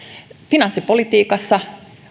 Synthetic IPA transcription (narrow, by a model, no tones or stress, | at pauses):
finɑnsːipolit̪iːkɑsːɑ